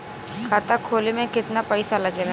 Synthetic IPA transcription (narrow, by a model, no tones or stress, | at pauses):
kʰat̪akʰoːlemẽkɪt̪napɐɪsalɐɡeɾ